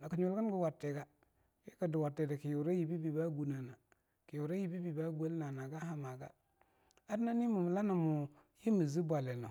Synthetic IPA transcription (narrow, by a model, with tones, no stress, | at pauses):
a˨ki˨ɲu˨lɡi˦n˦ɡə˨wa˨tːe˨ɡa˨ | ji˦ka˨du˨wa˨tːe˨da˨ki˨ju˨ɾa˦ji˨bi˦bi˨ba˦ɡu˨na˨na˨ | ki˨ju˨ɾa˦ji˦bi˦bi˨ba˦ɡu˦e˦lna˨na˨ɡa˦ha˦ma˨ɡa̰˦ | a˦dna˦ni˦mu˨m˨la˦na˨mu˨ | ji˦mi˨zi˦bʷa˨le˨no˨